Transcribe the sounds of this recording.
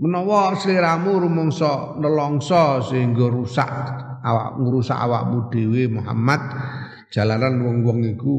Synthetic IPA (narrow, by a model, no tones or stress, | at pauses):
mənɔwɔsəliɾamuɾumɔŋsɔnəlɔŋsɔsəiŋɡɔɾusa̰ʔ | awa̰ʔmuɾusa̰ʔa̰wa̰ʔmud̪̥e̤wemuɦa̰mat̪̚ | ʒ̥a̤laɾanwɔŋwɔŋiku